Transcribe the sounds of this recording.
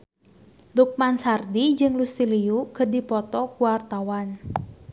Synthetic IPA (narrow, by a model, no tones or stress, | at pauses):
luk̚mansardid͡ʒɨŋlust̪iliukədipɔt̪ɔkuwart̪awan